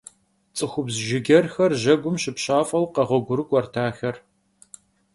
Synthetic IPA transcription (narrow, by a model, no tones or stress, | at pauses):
t͡sʼɨxʷʊbzʒɪɡʲɐrxɐrʑɐɡʷʊmɕɪpɕaːfʼɐwqɐʁʷɔɡʷʊɾɨkʷʼɔrtʰaːxɐr